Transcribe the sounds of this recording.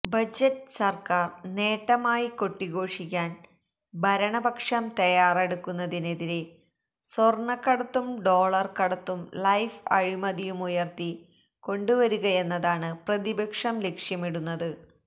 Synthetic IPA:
bɐd͡ʑɐtːɨsɐrkaːrne̞ːʈːɐmaːjiko̞ʈːiɣo̞ːʂik̬ʲːaːn | bʱɐɾɐɳɐbɐkʂɐmt̪ɐjaːreɽukːunːɐðine̞ðiɾe | sorɳɐkːɐɽɐt̪ːumɖo̞ːɭɐrkɐɽɐt̪ːumlɐjfɐ̰ɻimɐðijumujɐrt̪i | ko̞ɳɖuʋɐɾuɣɐe̞nːɐðaːɳɨprɐðibɐkʂɐmlekʂjɐmiɽunːɐðɨ

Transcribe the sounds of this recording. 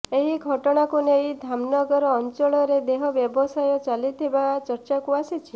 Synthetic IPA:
eɦiɡʱɔʈɔɽ̃akuneid̪ʱamnɔɡɔɾɔːnt͡ʃɔɭɔɾed̪eɦɔbjɔbɔsajɔt͡ʃalit̪ʰibat͡ʃəɾt͡ʃakuasit͡ʃʰi

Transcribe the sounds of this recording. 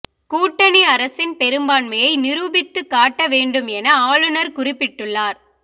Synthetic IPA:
kuːʈːɐnɪɐɾɐsɪnpɛɾɯmbaːnmɐjɐɪnɪɾuːbɪt̪ːɯkːaːʈːɐʋeːɳɖɯmɛnɐaːɭɯnɐɾkʊrɪpːɪʈːɯɭːaːɾ

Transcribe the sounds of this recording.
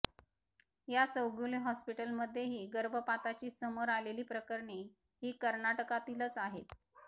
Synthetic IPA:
jat͡səwɡuleɦɔspiʈəlməd̪ʱːjeɦiːɡəɾbʱəpat̪at͡ɕiːsəməɾaleliːpɾəkəɾɳe | ɦiːkəɾnaʈəkat̪iːlət͡saɦet̪

